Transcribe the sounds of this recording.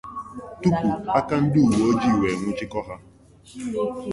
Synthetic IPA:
tu˦pu˨a˦ka˦n̩˦dɪ˦u˨wo˨o˦d͡ʒi˦i˨we˨ŋʷʊ˦t͡ʃɪ˦kɔ˦ɦa˦

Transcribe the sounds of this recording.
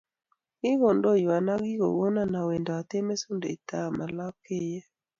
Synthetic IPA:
ɡ̥ɪ˦ɣo˨ndo˦ja˨na˦ɡɪ˦ɣo̰˨wo˦na˨na˨we˨ndɔ˨a˨t̪e˦me˦su˦ndḛ˨i˨ta˦˨ma˨la˦kɪ˦jɛ˦

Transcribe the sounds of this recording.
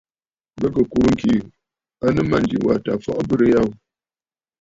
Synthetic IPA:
bə˦kə˨ku˨˦ŋ̩˨ki˨ | a˦nə˦ma˦˨n˨d͡ʒḭ˨wa̰˨ta˨fɔ̰˦˨ʔbɨ˦ɾə˦ja˦˨w

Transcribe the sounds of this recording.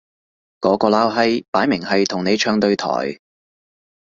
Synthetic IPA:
kɔː˨˥kɔː˧laː˥wɦɐ˥jpaː˨˥jmɪ˨˩ŋhɐ˨jt̪ʰʊ˨˩ŋne˨˧jt͡ʃʰœː˧ŋt̪ɵ˧ɥt̪ʰɔ̰ː˨˩j

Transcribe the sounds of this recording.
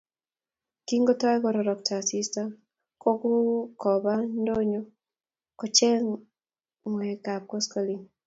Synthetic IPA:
ki˦ŋɡɔ˦tɔ˦ɛ˦kɔ˨ɾɔ˨ɾɔ˨k̚ta˨si˦sta˦m | kɔ˦kɔ˦kɔ˨ba˦ndo˦ɲɔ˦ | kɔ˨t͡ʃɛ˦ŋ | ŋwɛ˨ka˨p̚kɔ˦skɔ˦li˨ŋ

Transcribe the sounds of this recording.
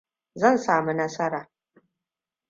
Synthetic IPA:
zɐ˦˨nsaː˨mu˦nɐ˦sɐ˦ɾaː˨

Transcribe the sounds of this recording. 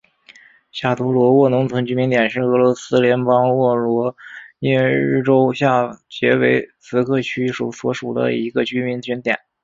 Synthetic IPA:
ɕja˥˩t̪ʰu˧˥lwɔ˧˥wɔ˥˩nʊ˧˥ŋt͡sʰɤ˧˥ŋt͡ɕy˥mi˧˥ŋt̪jɛ˨˩nʂɻ̩˥˩ɤ˧˥lwɔ˧˥sɹ̩˥ljɛ˧˥npɑ˥ŋwɔ˥˩lwɔ˧˥nɛ˥ɻɻ̩˥˩ʈ͡ʂo˥ʊɕja˥˩t͡ɕjɛ˧˥we˧˥ɪt͡sʰɹ̩˧˥kʰɤ˥˩t͡ɕʰy˥ʂu˨˩swɔ˧˥ʂu˨˩d̪ə̰˦i˧˥ɡə˧t͡ɕy˥mi˧˥nt͡ɕy˥nt̪jɛ̰˨˩˦n

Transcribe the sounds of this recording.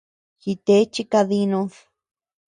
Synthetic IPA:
xi˧t̪e˦t͡ʃi˦ka˧ði˧nũ˧ð

